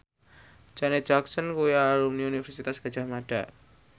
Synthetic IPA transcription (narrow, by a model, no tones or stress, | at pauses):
d͡ʒanet͡ʃaksənkujaɾumniunifərsit̪asɡ̥a̤̥d͡ʒ̥a̤hmaɖ̥a̰